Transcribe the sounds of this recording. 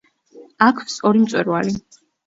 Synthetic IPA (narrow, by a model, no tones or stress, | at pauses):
akʰwsɔɾimt̪sʼwɛɾwali